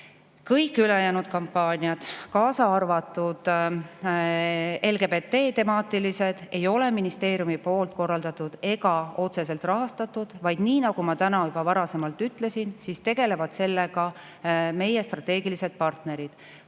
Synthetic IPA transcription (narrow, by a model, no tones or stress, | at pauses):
kɤjkːˑyle̞jæːnud̪̥̚kɑmpːɑːnʲiɑd̪̥kɑːsɑɑrvɑt̪ːˑud̪̥ | e̞lɡebe̞t̪ːe̞ːt̪e̞mɑːt̪ːilise̞d̪̥e̞jo̞le̞minist̪e̞ːɾjumipo̞ːlt̪̚ˑko̞rːɑld̪ɑt̪ˑud̪̥e̞ɡɑo̞t̪se̞se̞lt̪rɑɦɑst̪ɑt̪ːˑud̪̥vɑjd̪̥niːnɑɡ̥umɑt̪ænɑjubɑvɑɾɑse̞mɑlt̪ːˑyt̪ːˑle̞sinsist̪e̞ɡ̥e̞le̞vɑd̪̥se̞lːe̞ɡɑ | me̞je̞st̪rɑt̪ːˑe̞ːɡilise̞d̪̥̚pɑrt̪ne̞ɾid̪̥